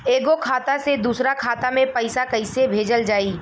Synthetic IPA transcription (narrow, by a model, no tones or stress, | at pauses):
eːɡokʰaːt̪ased̪uːsɾakʰaːt̪amẽpɐɪsakɐɪsebʱeːd͡ʒəld͡ʒaːiː